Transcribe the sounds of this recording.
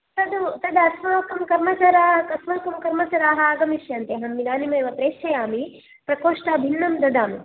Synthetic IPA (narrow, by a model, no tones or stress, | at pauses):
t̪ɐd̪ut̪ɐd̪ɐsʋaːkɐmkɐɾmɐt͡ʃaːɾaːɦɐkɐsʋaːkɐmkɐɾmɐt͡ʃɐɾaːɦɐaːɡɐmiʃjaːnt̪eɦɐmːid̪aːnimɐjʋɐpɾeːʃʰɐjaːmi | pɾɐkoːʂʈaːbʱinːɐmd̪ɐd̪aːmi